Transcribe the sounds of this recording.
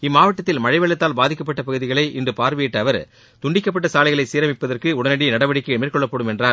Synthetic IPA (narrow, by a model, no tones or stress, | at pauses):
ɪmːaːʋɐʈːɐt̪ːɪlmɐɻɐɪʋɐɭːɐt̪ːaːlbaːðɪkːɐp̬ːɐʈːɐpɐɣɯðɪɣɐɭɐɪʔɪndrɯpaːɾʋɪɪʈːɐɐʋɐɾ | t̪ʊɳɖɪkːɐpːɐʈːɐsaːlɐɪɣɐɭɐɪsiːɾɐmɪpːɐðɐrkɯʊɽɐnɐɽinɐɽɐʋɐɽɪkːɐɛmɪɾkɔɭːɐpːɐɽɯmɛndraːɾ